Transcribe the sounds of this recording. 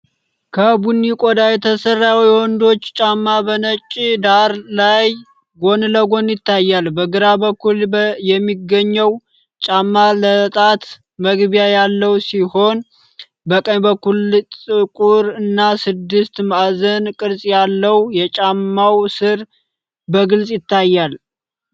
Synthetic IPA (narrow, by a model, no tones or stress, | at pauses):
kʰəbunːikʼod̪ajɛt̪ʰəsərːawiwɔnd̪o̞t͡ʃːt͡ʃʼamːabənət͡ʃʼːid̪aɾlaj | ɡo̞nləɡo̞njɪt̪ːajːalbəɡɨɾabəkʰːuljɛmːiɡːəɲːəw | t͡ʃʼamːalət̪ʼat̪ | məɡbijajalːəwsiho̞n | bəkʼəɲbəkʰːult͡sʼɨkʼuɾɨnːasɨd̪ːɨst̪mazənkʼɨɾsʼjalːəwjɛt͡ʃʼamːawsɨɾ | bəɡɨlsʼjɪt̪ʰːajːal